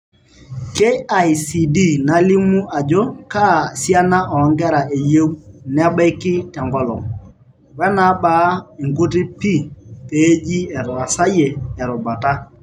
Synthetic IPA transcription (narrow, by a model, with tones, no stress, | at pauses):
ke˦a˨jsi˨di˦˨na˨lɪ˦mu˦ʔa˨d͡ʒɔ˦ka˦˨sja˦na˦ʔɔ˨˦ŋɡɛ˦ɾa˨ʔe˨je˦wn˦a˦bɛ˦kɪ˦tɛ˨ŋɡɔ˦lɔ̰˨ŋ | wɛ˦na˨˦ɓaː˨˦ɪ˨ŋɡo˦t̬ɪ˦pi˦˨pe˨˦d͡ʒi˦ɛ˨ɾwa˨sa˦jeː˨ɾʊ˨ba˨ta˦